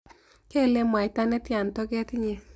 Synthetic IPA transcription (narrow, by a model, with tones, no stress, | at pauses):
kɛ˦˨le˦mwa˨i˨ta˦nɛ˦tja˨ntɔ˦kɛ˦ti˦ɲe˦